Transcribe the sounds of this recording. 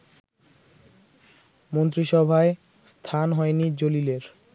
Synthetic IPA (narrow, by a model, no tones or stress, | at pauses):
mont̪ɾiʃɔbʱae | st̪ʰanɦɔenid͡ʑolileɾ